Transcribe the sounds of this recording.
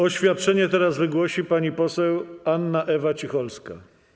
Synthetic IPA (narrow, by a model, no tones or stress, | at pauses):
ɔɕfʲjat̪̚t͡ʂɛɲɛt̪ɛɾazvɘɡwɔɕipaɲipɔsɛwanːaʔɛvat͡ɕixɔlska̰